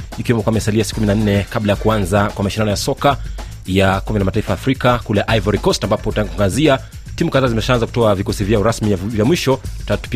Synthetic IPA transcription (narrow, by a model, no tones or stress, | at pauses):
ikiwɛmɔkwamɛsaliasi̥kuminan̩nɛkablajakuanzakwamaʃindanɔjasɔka | jakumbɛlamataifajafɾikakulɛʔaivaɾikɔstambapɔutaaŋɡakŋɡazia | timukaðaːzimɛʃaanzaku̥tɔavikɔsivjaɔɾasmivjamwiʃɔttatu̥p